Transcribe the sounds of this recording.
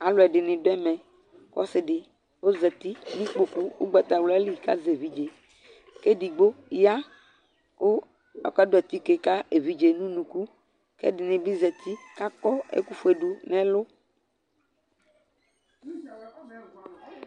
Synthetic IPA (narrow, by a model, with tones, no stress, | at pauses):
a˨lʊ˨ɛ˨ɖɪ˨nɪ̃˨do˦ɛ˦mɛ̃˨ | kɔ̰˦sɪ˦ɖɪ˨ | wo˦zɛ˨t̪i˦nĩ˦k͡po˦ku˦wo̰˦ɡ͡bɛ˨t̪a˨wlɛ˦li˦˨ka̰˦ze˨vi˦d͡ʒe˨ | ke˦di˨ɡ͡bo˦ja˦ | wo˦ | ɔ̰˨kɛ˦do˦ɛ˨t̪i˦ke˨ka˦e˨vi˦d͡ʒe˨nũ˦nũ˨ku˦ | kḛ˦dɪ˨nɪ̃˨bi˦zɛ˨t̪ʰi˦ka˦kɔ˦ḛ˦ku˦fu˦e˨ɖu˨nɛ̃˦lo˦